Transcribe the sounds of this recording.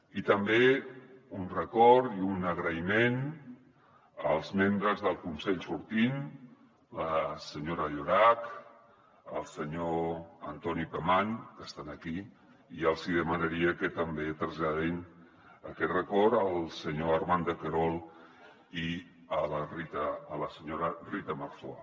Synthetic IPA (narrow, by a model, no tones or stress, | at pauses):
it̪əmbe | unrəkɔɾiunəɣɾəimen | əlˠzmembɾəzðəlˠkunsɛʎsuɾt̪in | ləsəɲoɾəʎoɾak | ə̰lˠsəɲoənt̪ɔnipəmaŋkəst̪anəki | iəlˠziðəmənəɾiəkət̪əmbet̪ɾəzʎaðin | əkɛt̪rəkɔɾəlˠsəɲoəɾmand̪əkəɾɔlˠ | i | ələrit̪əːləsəɲoɾərit̪əməɾfoa̰